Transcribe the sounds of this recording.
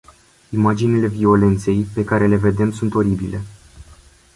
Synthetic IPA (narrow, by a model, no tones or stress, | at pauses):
imad͡ʒinile̞vio̞le̞nt̪se̞jpe̞kaɾe̞le̞ve̞d̪e̞msunt̪o̞ɾibile̞